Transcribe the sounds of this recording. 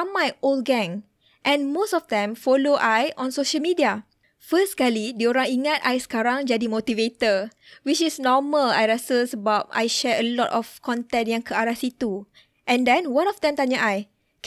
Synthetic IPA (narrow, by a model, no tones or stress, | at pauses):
ãmːajol̚ɡɛ̃ŋ | ʔɛ̃nmosɔfdɛ̃mfɔloʔajʔɔ̃nsoʃəlmidia | fəskalidioɾãŋiŋata̰jskaɾãŋd͡ʒadimotivet̪əwit͡ʃisnɔməla̰jɹɛsəsəbat̚a̰jʃɛəlɔtɔfkɔ̃ntɛ̃ntjãŋkʰəaɹasit̪u | ʔɛ̃ndɛ̃nwãnɔfdɛ̃mt̪aɲaʔaj | k